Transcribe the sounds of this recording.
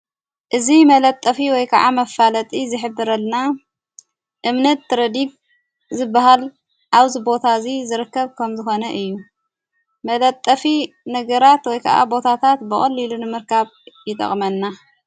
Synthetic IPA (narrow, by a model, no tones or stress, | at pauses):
ʔɨzimɐlɐt̪ʼːɐfiwɔjkʰɐʔa̰mɐfːalɐt̪ʼizɨħɨbːɨɾɐlna | ʔɨmnɐt̪ːɨɾɐd̪iɡ̚ | zɨbːaɦal | ʔaβzibo̞t̪ʰazizɨɾɨkːɐβkʰɐmzɨxo̞nɐʔɨjːu | mɐlɐt̪ʼːɐfi | nɐɡɐɾat̪wɔjkʰɐ̰ʔa̰bo̞t̪ʰat̪ʰat̪bɨχʼɐlːilunɨmɨɾkʰaβjɪt̪ʼɐ̰χʼmɐnːa